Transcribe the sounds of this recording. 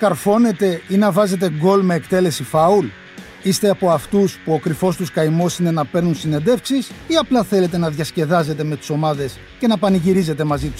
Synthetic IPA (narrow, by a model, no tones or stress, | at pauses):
kɐɾfo̞ne̞t̪e̞inɐvɐze̞t̪̬e̞ɡo̞lmeːkt̪e̞le̞sifɐul | ist̪e̞ɐpo̞ɐft̪uspuo̞kɾifo̞st̪uskɐimo̞sine̞nɐpe̞ɾnunsine̞nd̪e̞fksisiɐplɐθe̞le̞t̪e̞nɐðʝɐsce̞ðɐze̞t̪e̞me̞t̪i̥so̞mɐðe̞s | ce̞nɐpɐniʝiɾize̞t̪e̞mɐzit̪u̥s